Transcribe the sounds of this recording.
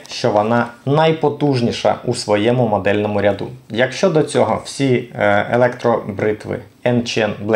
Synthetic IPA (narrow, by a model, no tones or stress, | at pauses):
ʃt͡ʃɔʋɔnɑnɐjpɔt̪uʒnʲiʃɐ̰ʔusʋɔjɛmʊmɔd̪ɛlʲnɔmʊɾʲɐd̪ṵjɐkʃt͡ʃɔd̪ɔt͡sʲɔɦɔw̥sʲielˠɛkt̪ɾɔbɾɪt̪ʋɪ̰ | ɛnt͡ʃɛnblɛ